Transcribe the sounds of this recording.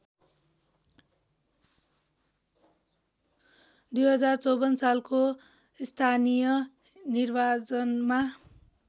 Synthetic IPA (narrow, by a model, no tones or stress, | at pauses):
d̪ujɦʌd͡zart͡sʌwbʌnsalko | st̪ʰanijʌ | nirbat͡sʌnma